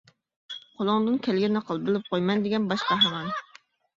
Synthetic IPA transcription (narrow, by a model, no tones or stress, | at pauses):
qʰolˠʊŋd̪ɨnkʲʰɛlɡʲɛnɨqʰəlˠbɪlɪp̚qʰojmɛnd̪ɪɡʲɛnbɑʃqɑɦɑmɑn